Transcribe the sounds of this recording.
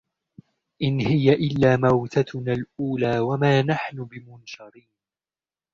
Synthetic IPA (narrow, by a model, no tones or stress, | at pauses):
ʔɪnhɪjaʔɪlːaːmawt̪at̪naːlʔuːlaːwamaːnaħnʊbɪmʊnʃɑɾiːn